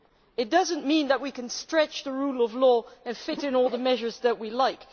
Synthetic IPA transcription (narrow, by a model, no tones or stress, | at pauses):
ɨt̚d̥ʌzɨ̃nmĩnðət̚wikɨ̃nstɹ̥ɛt͡ʃðəɹulˠʌvlɔɨ̃nfɪɾɨ̃nɔlˠðəmɛʒə˞zðɨt̚wilaɪk